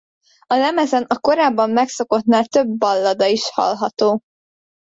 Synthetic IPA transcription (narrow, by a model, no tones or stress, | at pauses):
ɒlɛmɛzɛnɒko̞ɾaːbːɒmːɛkso̞ko̞t̪naːlt̪øbːɒlːɒd̪ɒiʃhɒ̰lɦɒt̪oː